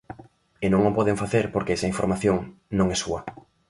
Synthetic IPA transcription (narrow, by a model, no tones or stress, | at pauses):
enõŋopɔðeɱfaθeɾpoɾkeɛsɐiɱfo̰ɾmaθjoŋnõŋɛsuɐ